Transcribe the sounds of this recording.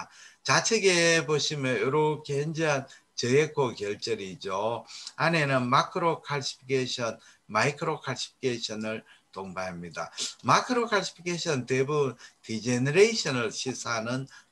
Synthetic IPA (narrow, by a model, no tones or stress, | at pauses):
t͡ɕat͡ɕʰeɡe̞boɕʰimjʌnjoɾokʰehʌnd͡ʑiɦan | t͡ɕejekʰokjʌɭt͡ɕ͈ʌɾid͡ʑoane̞nɯnmakʰɯɾokʰaɭɕʰi̥pʰikʰeɕʰʌn | maikʰɯɾokʰaɭɕʰi̥pʰi̥kʰeɕʰʌnɯɭtoŋbaɦamɲidamakʰɯɾokʰaɭsʰi̥pʰikʰeɕʰʌntebubntid͡ʑenɯɾeɕʰʌnɯɭɕʰisʰanɯn